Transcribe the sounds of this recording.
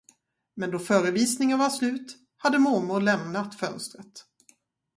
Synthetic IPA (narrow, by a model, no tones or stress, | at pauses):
mɛnd̪ɔfœːɾəviːsnɪŋənvaslʉ̟ːt̪ | had̪ːəmuɾmʊɾlɛmnat̪fœnst̪ɾət̪